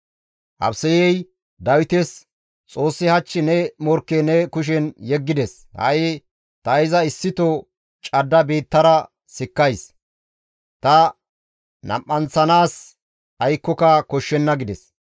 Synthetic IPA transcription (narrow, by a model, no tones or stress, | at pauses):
ʔɐ̰bsɛjɛj | d̪ɐwɪt̪ɛs | t͡sʼo̞ːsːɪhɐt͡ʃːɪnɛmɔɾkːɛnɛkʊʃ̬ɛnjɛɡːɪd̪ɛs | hɐ̰jɪ | t̪ɐɪzɐɪsːɪt̪ɔ | t͡ʃʼɐd̪ːɐbeːt̪ːɐɾɐ | sɪkːɐjs | t̪ɐ | nɐ̰mːɐnt͡sːɐnaːs | ɐjkːɔkɐkɔʃːɛnːɐɡɪd̪ɛs